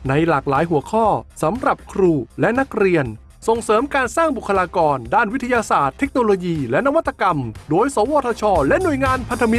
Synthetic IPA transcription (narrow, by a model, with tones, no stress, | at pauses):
na˧jlaː˨˩k̚laː˩˦jɦu˩˦ɐəkʰɔː˥˩sa˩˦mɾa˨˩p̚kʰɾuː˧˩lɛ˦˥ʔna˦˥k̚ɾi˧ən | so˨˩ŋsɤː˨˦mkaː˧nsaː˥˩ŋbu˨˩kʰːa˧laː˧kɔː˧ndaː˥˩nwi˦˥t̪ʰːa˧jaː˧saː˨˩t̪ʰːe˦˥k̚noː˧loː˧jiː˧lɛ˦˥ʔna˧wa˦˥t̪ːa˧ka˧mdoː˧jsaː˨˦wɔː˧t̪ʰaː˧t͡ɕʰɔː˧lɛ˦˥nu˨˩əjŋaː˧npʰa˧nt̪ʰa˧mi˦˥